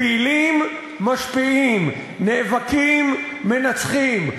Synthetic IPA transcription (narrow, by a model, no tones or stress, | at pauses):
ilimː | aʃpiim | nevakimː | e̞nat͡sχim